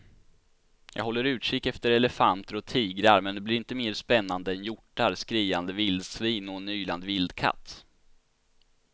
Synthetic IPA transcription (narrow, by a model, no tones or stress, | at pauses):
jɑ̰ːɡɦɔlːəɾʉ̟ːʂɪk̚k̪ɛft̪əɾɛlɛfant̪əɾɔt̪ʰiːɡɾaɾmɛnd̪ɛblɪɾɪnt̪əmeːɾʂpɛnːand̪əɛnjʊʈːaɾskɾiːand̪əvɪld̪sviːnɔnyːla̰nd̪vɪld̪kʰa̰t̪ː